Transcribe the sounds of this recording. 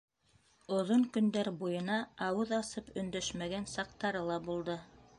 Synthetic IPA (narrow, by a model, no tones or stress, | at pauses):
ŏðoŋkɵ̆nd̪æɾbujɤ̆nɑɑwɤðɑsɤpɵ̆nd̪æʃmæɡænsɑq̚t̪ɑɾɤlˠɑbulˠd̪ɤ